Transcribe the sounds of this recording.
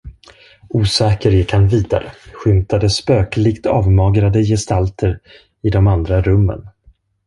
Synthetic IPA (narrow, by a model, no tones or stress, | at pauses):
uːsɛːkəɾjɪkhanviːd̪a̰ɾə̰ɧʏmt̪ad̪əspøːklɪɡt̪ʰɑːvmɑːɡɾad̪əjɛst̪alt̪ʰəɾ | ɪd̪ɔmand̪ɾaɾɵmːə̰n